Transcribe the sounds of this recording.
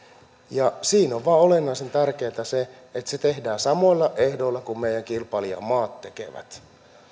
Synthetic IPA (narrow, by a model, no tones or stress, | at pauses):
jɑsiːnoʋʋɑːolenːɑisent̪ærkeːt̪æse | et̪set̪ehdæːsɑmo̞ilːɑʔehdo̞ilːɑkummeijæŋkilpɑliɑ̰mɑːt̪ːekḛʋæ̰t̪